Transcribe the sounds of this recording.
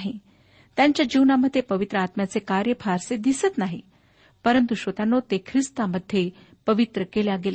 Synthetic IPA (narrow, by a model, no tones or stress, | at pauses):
ɦi | t̪jaɲt͡ɕjad͡ʑiwnaməd̪ʱːjepəʋit̪ɾəat̪mjat͡sekaɾjəpʰaɾsed̪isət̪naɦi | pəɾənt̪uɕʋət̪anːot̪ekʰɾist̪aməd̪ʱːje | pəʋit̪ɾəkeljaɡela